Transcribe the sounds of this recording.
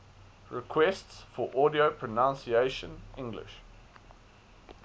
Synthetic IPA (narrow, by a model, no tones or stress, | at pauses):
ɹɪkʰw̥ɛstsfɔʔɔɾiopʰɹ̥ənãnsieɪʃə̰̃nʔɪ̃ŋɡlɪ̰ʃ